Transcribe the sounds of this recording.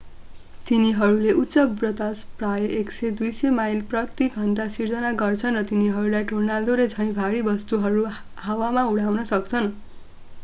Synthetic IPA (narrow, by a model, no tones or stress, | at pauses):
t̪iniɦʌɾuleʔut̪sʌbrʌt̪asprajeksed̪ujsemajlprʌt̪iɡʱʌɳʈasird͡zʌnaɡʌrt͡sʰʌnrʌt̪iniɦʌɾulajʈornald̪oɾed͡zʱʌ̃j̃bʱaɽibʌst̪uɦʌɾu | hawamauɽawnʌsʌk̚t͡sʰʌn